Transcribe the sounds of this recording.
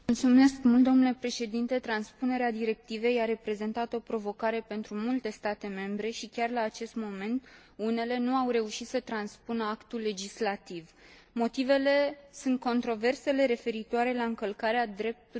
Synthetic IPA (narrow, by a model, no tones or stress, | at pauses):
mult̪sume̞skmult̪d̪o̞mnule̞pɾe̞ʃe̞d̪int̪e̞t̪ɾanspune̞ɾead̪iɾe̞k̚t̪ive̞jaɾe̞pɾe̞ze̞nt̪at̪o̞pɾo̞vo̞kaɾe̞pe̞nt̪ɾumult̪e̞st̪at̪e̞me̞mbɾe̞ʃikʲarlaːt͡ʃe̞st̪mo̞me̞nt̪ | une̞le̞nuawɾe̞uʃit̪sət̪ɾanspunəakt̪ulːe̞d͡ʒislat̪iv | mo̞t̪ive̞le̞sunt̪̚ko̞nt̪ɾo̞ve̞rse̞le̞ɾe̞fe̞ɾit̪oaɾe̞laɨŋkəlkaɾead̪ɾe̞p̚t̪u